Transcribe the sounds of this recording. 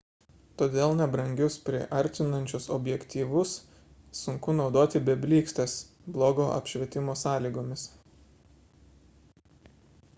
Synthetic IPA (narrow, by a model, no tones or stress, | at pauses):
t̪oːd̪ʲeːlˠnʲɛbɾɐŋʲɡʲʊspʲɾʲɪʔɐɾʲˑt̪ʲɪnɐnʲt͡ʃʲʊsɔbʲjɛkʲt̪ʲiːʋʊsː | ʊŋkʊnɒʊd̪oːt̪ʲɪbʲɛbʲlʲiːksʲt̪ʲes | blˠoːɡoːʔɐ̰pʲʃʲʋʲɛt̪ʲɪmoːsɑːlʲiːɡoːmʲɪs